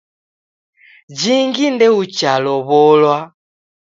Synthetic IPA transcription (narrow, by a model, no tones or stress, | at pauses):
d͡ʒiŋɡindɛut͡ʃalɔβɔlwa